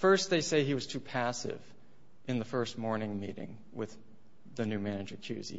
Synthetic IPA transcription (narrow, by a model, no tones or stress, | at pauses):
fɜ˞st̪̚ðeɪseɪiwʌz̥tʰʉpʰæsɪ̰v | ʔɨ̃nðəfɜ˞st̚mɔɹnɪ̃ŋmiɾɪ̰̃ŋ | wɪð̥ | ɨnʉmænɨd͡ʒə˞kʰj̥ʉ̰zḭ